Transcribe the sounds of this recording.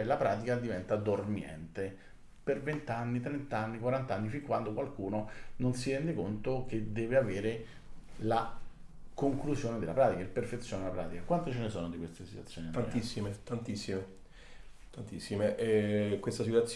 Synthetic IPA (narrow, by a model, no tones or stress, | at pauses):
ɛlapɾaːt̪ikad̪ivɛnt̪ad̪ormjɛ̰nt̪e | pervent̪anːit̪ɾent̪anːikwaɾant̪anːifiŋkwand̪okwalkuːnononsiɾɛnd̪ekont̪oked̪ːɛːveaveːɾe | la | koŋklusjoːned̪elːapɾaːt̪ikaelperfet̪sːjoːned̪elapɾa̰ːt̪ikakwant̪et͡ʃenesɔːnod̪ikwest̪esi̥t̪wat̪sːjoːnianant̪isːimet̪ant̪isːime | t̪ant̪isːimeʔɛkwest̪asit̪wat̪s